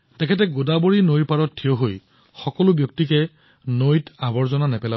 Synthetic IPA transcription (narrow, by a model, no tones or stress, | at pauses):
tɛkʰɛt̬ɛɡodaboɹinojɹpaɹɔttʰːijɔɦoj | xɔkɔlʊbjɔktikɛ | nojtabɔɹzɔnanɛpɛla